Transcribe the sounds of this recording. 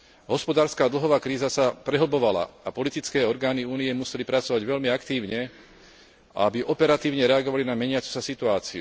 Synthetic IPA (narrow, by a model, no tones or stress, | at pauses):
ɦɔspɔd̪aːɾskaːd̪l̩ɦɔʋaːkɾiːzasapɾɛɦl̩bɔʋala̰apɔlit̪it͡skɛːɔɾɡaːniuːnijɛmusɛlipɾat͡sɔʋaɟʋɛʎmiakt̪iːʊɲɛ | ʔa̰abiʔɔpɛɾat̪iːʊɲɛɾɛaɡɔʋalinamɛɲɪat͡su̥sasit̪uaːt͡siṵ